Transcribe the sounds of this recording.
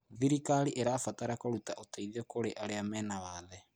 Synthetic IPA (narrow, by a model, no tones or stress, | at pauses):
ðiɾikaɾiʔeɾafataɾakoɾutaʔoteiðiokoɾeʔaɾeamɛːnawaːðɛ